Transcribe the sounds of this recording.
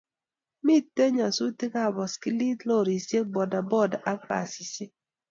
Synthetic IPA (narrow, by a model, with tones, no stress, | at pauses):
mi˦te˦ɲa˨su˦ti˦ka˦˨bɔ˨ski˦li˦tlo˦˨ɾi˨sje˦ɡ͡bɔ˨da˨bɔ˦˨da˨ʔa˦fa̰˨si˨se˦